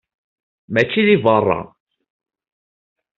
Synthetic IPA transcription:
mæt͡ʃːiðivərˤːɑ̰

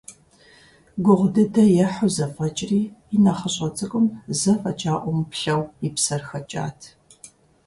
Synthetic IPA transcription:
ɡʷʊʁʷdɐdɐjɛħʊzɐfʼɐt͡ʃʼriːɪnɐχɐɕʼɐt͡sʼɨkʼʊmzɐfɐt͡ʃʼaːʔʷɔmpɬɐwipsɐrxɐt͡ʃʼa̰ːtʰ

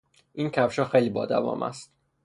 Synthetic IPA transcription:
ʔincʰævʃɒːxejliːbɒːd̪æ̰vɒ̰ːmʔæ̰st̪̚

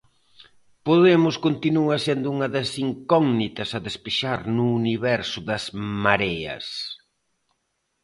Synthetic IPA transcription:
poðemʊskont̪inuɐsend̪ʊuŋɐðɐsiŋkɔɡnit̪ɐsɐðespeʃaɾnʊːniβɛɾsʊðɐzmaɾɛɐ̰s

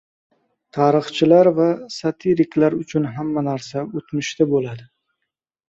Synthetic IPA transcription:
t̪ʰɑɾɨχt͡ʃʰɪlaɾvasat̪ʰiɾɪklaɾʊt͡ʃʰʊnɦamːanaɾsaot̪mʊʃt̪ʰabolad̪ɪ

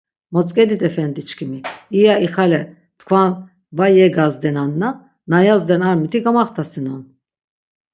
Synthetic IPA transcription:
mɔt͡sʼkʼɛd̪it̪ɛfɛnd̪it͡ʃkʰimiːjaiχalɛ | t̪kʰvan | bajɛɡazd̪ɛnanːa | najazd̪ɛnaɾmit̪ʰiɡamaχt̪ʰasinɔn

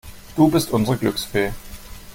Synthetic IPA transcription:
d̥uːbɪstʔʊnzəʁəɡlʏksfeː

